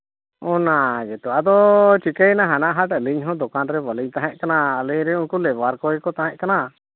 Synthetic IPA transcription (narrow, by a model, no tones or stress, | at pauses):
ɔnaɡɛt̪uad̪ɔt͡ʃikəjnaɦanaʔɦaʈəliɲɦɔ̃d̪ɔkanɾɛbəliɲt̪aɦɛ̃ʔ̚ˀkanaəlɛɾɛuɲkulɛbaɾkɔɛkɔt̪aɦɛ̃ʔ̚kana